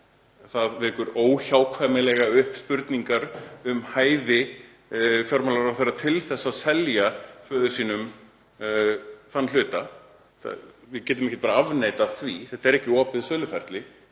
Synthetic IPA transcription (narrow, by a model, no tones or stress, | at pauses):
θaðvɛkʏɾoːwçawkʰvaːjmɪlɛɣaʏhpspʏɾt̪niŋkaɾʏmhaːjðɪ | fjɔɾmalaɾawθerːat̪ʰɪlθɛsːasɛljafœːðʏsiːnʏm | θanːalʏːt̪a | ta̰vɪðcɛːt̪̬ʏmɛhcːɪt̪̚paːɾaavneːjt̪aθviθɛht̪aɛɾɛhcɪɔːpɪðsœːlʏfɛɾ̥t̪lɪ